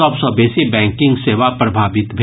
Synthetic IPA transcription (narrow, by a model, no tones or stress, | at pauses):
ɔːbsɔbeːsibɛ̃ːŋkɪ̃ŋɡseːʋapɾɐbʱaːʋɪt̪bʱe